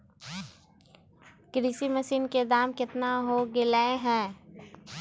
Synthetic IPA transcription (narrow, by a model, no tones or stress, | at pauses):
kɾisiməsiːnked̪aːmkɪt̪naɦoɡɪlaeɦɛ̃ː